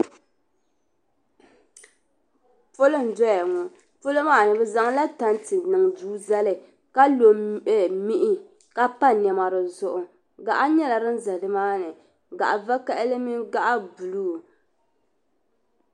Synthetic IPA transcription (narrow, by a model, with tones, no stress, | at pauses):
po˦lɨ˦n˨dɔ˦ja˨ŋɔ˨ | po˦lo˦maː˦˨nɨ˨bɛ˨za˦ŋ˦la˦ta˦n˦tɨ˨nɨ˨ŋduː˦za˦lɨ˨ | ka˦lo˨˦mi˦ʔɪ˦ | ka˦pa˦nɛ˨ma˨ɾɨ˨zʊ˦ʔʊ˨ | ɡa˨ʔa˦ɲɛ˦la˨ɾɨ˦nza˨dɨ˦maː˦nɨ˨ | ɡa̰˨ʔa˨va˦ka˦ʔɪ˦lɨ˦mi˦ɡa˦ʔa˦bu˨lu˦˨